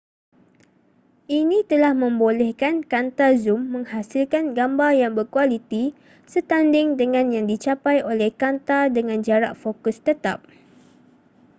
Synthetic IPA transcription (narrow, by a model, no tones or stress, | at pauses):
ʔinĩt̪əlahmə̃mbolɛhkankant̪azumːə̃ŋhasilkanɡambarjaŋbərkualit̪i | sət̪andɪŋdəŋãnjaŋdit͡ʃapajʔolɛhkant̪adəŋãnd͡ʒaɾaʔfokʊst̪ət̪a̰p̚